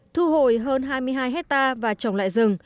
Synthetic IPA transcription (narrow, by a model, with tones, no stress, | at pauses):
t̪ʰu˧ɦo˨˧˩jɦəː˧nɦaː˧jmɨ˧əjɦaː˧jɦɛ˦˥k̚t̪aː˧vaː˨˩t͡ɕə˨˩wŋ͡mla̰ː˧˨jzɨ˨˩ŋ